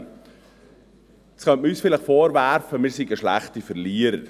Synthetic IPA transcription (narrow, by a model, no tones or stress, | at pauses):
sχœntməyːsfɪlɪχfoːɾvæɾfəmɪːɾsiɡəʃlæ̰χtifəɾliːəɾə̰ɾ